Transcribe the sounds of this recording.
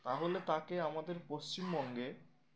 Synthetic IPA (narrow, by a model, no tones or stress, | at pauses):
t̪aɦolet̪akeamad̪eɾpost͡ɕimbɔŋɡe